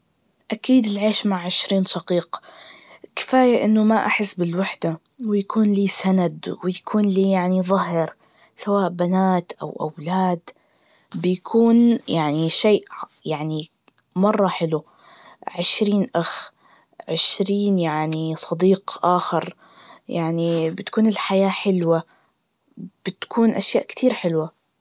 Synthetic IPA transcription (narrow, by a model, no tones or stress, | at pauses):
ʔakiːd̪ɪlʕeːʃmaʕʕɪʃɾiːnʃɑqiːq | kɪ̥faːjaʔɪnːʊmaʔaħɪsːbɪlwaħd̪a | wɪjakuːnliːsanad̪wɪjakʰuːnliːjaʕniðˤɑɦɪɾ | sawaːʔbanaːt̪ʔa̰wʔa̰wlaːd̪ | bɪjakʰuːnjaʕniʃeːʔjaʕni | mɑrˤːɑħɪlu | ʕɪʃɾiːnʔax | ʕɪʃɾiːnjaʕnisˤɑd̪iːqʔaːxɪɾ | jaʕnibɪt̪kuːnɪlħajaːħɪlwa | b̥ɪt̪kʰuːnʔaʃjaːʔkt̪ʰiːɾħɪlwa